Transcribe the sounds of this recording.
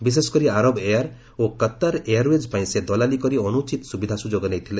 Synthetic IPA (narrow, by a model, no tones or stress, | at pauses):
bis̬eskɔɾiaɾɔbejaɾ | okət̪ːaɾeaɾwed͡ʒpaj̃sed̪ɔlalikɔɾiɔnut͡ʃit̪ɔsubid̪ʱasud͡ʒoɡɔnejt̪ʰilẽ